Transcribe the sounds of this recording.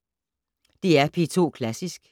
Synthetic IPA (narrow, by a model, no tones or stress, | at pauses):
d̥eæɐpʰet͡sʰo̝̰ːkʰlæsisɡ̥